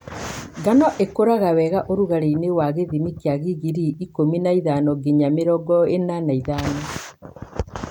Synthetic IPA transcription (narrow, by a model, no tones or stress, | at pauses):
ɡanɔʔekoɾaɣawɛɣaʔoɾuɣaɾeinewaɣeðimikeaɣiɣiɾiikominaiðanɔɡeɲameɾɔɡɔenanaiðaːnɔ